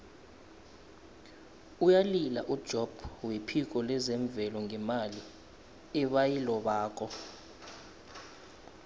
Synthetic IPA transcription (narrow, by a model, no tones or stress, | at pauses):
ujalila̰ʔud̥ʒ̥ʱɔb̥wepʰik̬ʼɔlɛzɛɱb̪vɛlɔŋɛmali | ɛɓajilɔɓaːk̬ʼɔ